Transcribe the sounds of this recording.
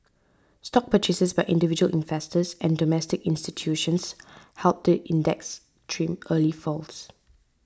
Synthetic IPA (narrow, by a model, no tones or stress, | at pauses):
stɔk̚pʰət͡ʃɪsəsbaɪʔɪ̃ndɪvid͡ʒuə̰lʔɪ̰̃nfɛstəsɛ̃ndɔmɛstɪkɪ̃nstitʰjuʃə̃nshɛlp̚dəʔĩndɛks | tʰɹĩmʔəlifɔls